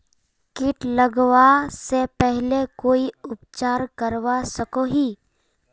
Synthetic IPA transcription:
kɪʈləɡʋasepɛɦlekoːiʊpt͡ʃaːɾkəɾʋasəkoɦiː

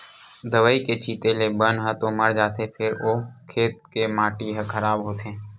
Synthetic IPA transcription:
d̪əʋəːiket͡ʃʰiːt̪elebənɦə̃t̪oməɽd͡ʒaːt̪epʰɪɾoːkʰeːt̪̚kemãːʈiɦə̃kʰəɾaːbɦoːt̪ẽː

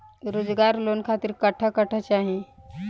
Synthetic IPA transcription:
ɾod͡zɡaɾlonkʰat̪iːɾkəʈʰəkəʈʰət͡ʃaɦi

